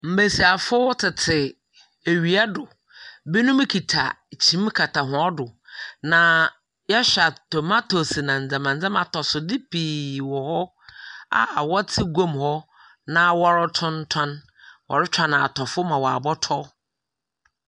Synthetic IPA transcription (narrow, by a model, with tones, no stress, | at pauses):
m̩˨bæ˨si˨a˨fʊ˦tʰɪ˨tʰɪ˨ | e˨ɥi˨a˦dʊ˨ | bi˦nũ˦m˦kʰi˨tʰa̰˨ | t͡ɕʰĩ˨˦m˦kʰa˨tʰa˨ɦʊ̃˨˦ɔ˦dʊ˨nã˨ | jɛ˦ɕᶣa˨tɔ˨ma˦tʰo˨si˨nã˨n̩˨d͡zã˨mã˨n̩˨d͡zã˦mã˨tʰɔ˨sʊ˨dɪ˦pʰiː˨wɔ˨hɔ˦ | a̰˨wɔ˦tʰɪ˦ɡõ˦mhɔ˦ | nã˦wɔ˦ɾɪ˦tʰʊ̃˦n˦tʰã˦n | wɔ̰˨ɾɪ˦t͡ʃʰᶣã˦na˨tʰɔ˨fʊ˦mã˨wɔ˨a̰˨bɔ˦tʰɔ˦